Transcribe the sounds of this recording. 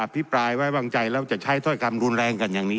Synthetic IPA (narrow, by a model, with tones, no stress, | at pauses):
ʔa˧pʰːi˦˥pɾaː˧jwaː˥˩waː˧ŋt͡ɕa˧jlɛː˦˥wt͡ɕa˨˩t͡ɕʰa˦˥jt̪ʰɔ˥˩jkʰa˧mɾu˧nɾɛː˧ŋka˧njaː˨˩ŋniː˦˥